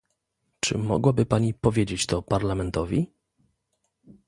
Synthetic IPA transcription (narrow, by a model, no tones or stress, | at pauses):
t͡ʂɘ̰mɔ̰ɡwabɘpaɲipɔvʲjed͡ʑet͡ɕt̪ɔpaɾlamɛnt̪ɔvʲi